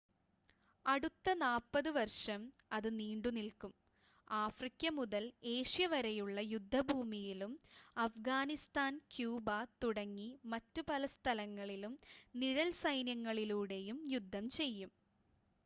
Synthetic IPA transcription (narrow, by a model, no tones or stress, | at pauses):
ɐɽut̪ːɐnaːpːɐðɨʋɐrʂɐm | ɐðɨniːɳɖunilkum | aːfrikʲːɐmuðɐle̞ːʂjɐʋɐɾɐjuɭːɐjud̪ʱːɐbʱuːmijilumɐfɡaːnist̪aːnkjuːbat̪uɽɐŋːimɐtːupɐlɐst̪ʰɐlɐŋːɐɭilumniɻɐlsɐjnjɐŋːɐɭiluːɽe̞jumjud̪ʱːɐmt͡ɕe̞jːum